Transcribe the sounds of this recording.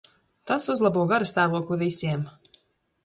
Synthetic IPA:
t̪asuzlˠabuɔɡaɾast̪aːvuɔklˠivisiɛm

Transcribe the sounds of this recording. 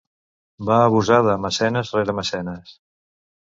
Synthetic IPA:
baːβ̞uzað̞əːməsɛnəzreɾəməsɛnəs

